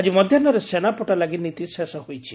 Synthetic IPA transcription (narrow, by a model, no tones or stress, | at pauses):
ad͡ʒimɔd̪ʱjɔnɔɾesenapɔʈalaɡinit̪isesɔhojt͡ʃʰi̥